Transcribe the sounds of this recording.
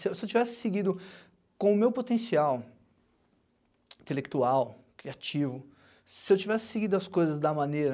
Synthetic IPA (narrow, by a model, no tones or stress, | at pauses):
sɪesɪewt͡ʃivɛsɪ̥seɡid̪ʊ | kõʊmewpot̪ẽsiaw | t̪elek̚t̪uaw | kɾiat͡ʃivʊ | sɪewt͡ʃivɛsɪ̥seɡid̪ʊɐskojzɐzd̪ɐmɐ̃nejɾɐ